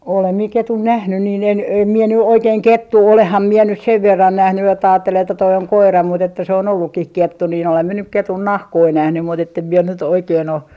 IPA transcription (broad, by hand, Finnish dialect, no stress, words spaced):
olem mie ketun næhny niː en em mie ny oikeːŋ ketːuː olehːɑm mie nys seʋ ʋerːɑn næhny etːæ ɑːtːel etːæ toi oŋ koirɑ mut etːæ se on olːukːih ketːu nin olem mie nyk ketun nɑhkoi næhny mut etːem mie nyt oikeːn o